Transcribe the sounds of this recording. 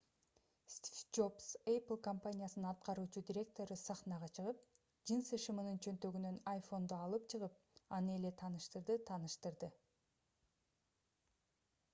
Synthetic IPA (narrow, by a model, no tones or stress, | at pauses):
st̪ʲifd͡ʒopseplˠkompanʲijasɯnɯnɑt̪̚qɑɾuːt͡ʃud̪ʲiɾʲe̞k̚t̪o̞ɾɯsɑχnɑʁɑt͡ʃʰɯʁɯp̚ | d͡ʒɯnsɯʃɯmɯnɯnt͡ʃʰø̞nt̪ø̞ɡynø̞najfo̞nd̪oɑlˠɯpt͡ʃʰɯʁɯp̚ɑnɯe̞le̞t̪ʰɑːnɯʃt̪ɯɾd̪ɯt̪ʰɑːnɯʃt̪ɯɾd̪ɯ